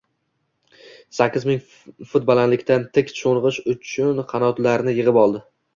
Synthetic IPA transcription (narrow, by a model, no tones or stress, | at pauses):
sakʲːɪzmɪŋ | fʊt̪̚bɒlˠanlɪkʲt̪ant̪ʰɪkʲt͡ʃʰoɴʁɨʃʊt͡ʃʰʊnqʰɑnɒt̪laɾnɪjɨʁɨpɒlˠd̪ɪ